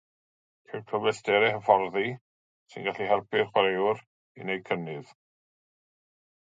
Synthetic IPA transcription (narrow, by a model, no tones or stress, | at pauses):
kʰɛkʰəvɛsdɛɾɛɦəfɔrði | sɪ̰nɡaɬiɦɛrpʰɪrχwɾewr | ḭnejkʰənɨð̥